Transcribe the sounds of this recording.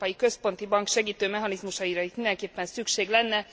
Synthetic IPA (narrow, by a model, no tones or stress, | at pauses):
pɒjikø̞spo̞nt̪ibɒŋkʃɛɡiːt̪øːmɛɦɒnizmuʃɒjiɾɒit̪mind̪ɛŋkeːpːɛnsykʃeːɡlɛnːɛ